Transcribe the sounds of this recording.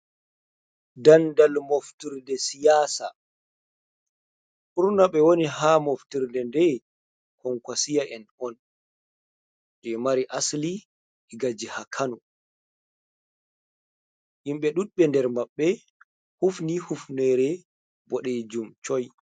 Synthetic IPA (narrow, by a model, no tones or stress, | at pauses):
dandalmoftiɾdɛsijaːsa̰ | ʔuɾnaɓɛwoniɦamoftiɾdɛndɛ | kɔŋkwasijaʔɛnɔn | d͡ʒɛmaɾiʔasli | ɛɡad͡ʒihakʰanu | jimɓɛɗuɗɓɛndɛɾmaɓːɛ | hufnihufnɛɾɛ | bɔɗɛd͡ʒumt͡ʃɔj